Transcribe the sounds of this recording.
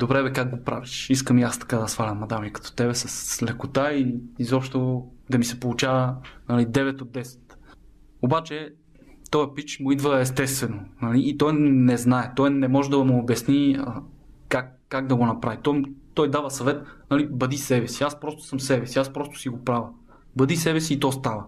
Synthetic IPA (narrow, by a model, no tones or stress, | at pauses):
d̪obɾɛbɛkaɡɡopɾa̰viʃiskəmiast̪ɐ̥kad̪ɐsfalʲɐnmɐd̪amikɐ̥t̪o̥t̪ɛβɛsɐslɛkot̪aiːzɔpʃt̪od̪ɐmisɛpolˠut͡ʃavɐnɐlid̪ɛvɛt̪od̪ːɛsɛ̥t̪ | obat͡ʃɛ | t̪ɔjəpit͡ʃmʊid̪vəɛst̪ɛst̪vɛnonɐliʔːt̪ɔjnɛznaɛt̪ɔjnɛmɔʒɛd̪ɐmoːbjɐsniə | kakːaɡd̪ɐɡonɐpɾavit̪ɔt̪ɔjd̪avɐsɐvɛt̪nɐlibɐd̪isɛbɛsiaspɾɔst̪o̥sɐmsɛbɛsiaspɾɔst̪o̥siɡopɾavə | bɐd̪isɛbɛsiːt̪ɔst̪avə